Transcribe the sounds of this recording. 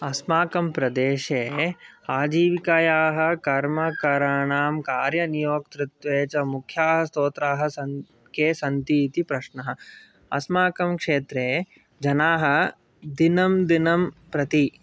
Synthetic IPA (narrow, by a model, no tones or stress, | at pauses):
ɐsmaːkɐmpɾɐd̪eːʃeː | aːd͡ʒiːʋikajaːɦɐ̆kɐɾmɐkɐɾaɳaːmkaːɾjɐnijoːk̚t̪ɾɪt̪ʋeːt͡ʃɐmukʰjaːɦɐ̆st̪oːt̪ɾaːɦɐ̆sɐ | keːsɐnt̪iːt̪ipɾɐʃnɐɦɐ̆ | ɐ̰smaːkɐmkʂeːt̪ɾeː | d͡ʒɐnaːɦɐ̆ | d̪inɐmd̪inɐmpɾɐt̪i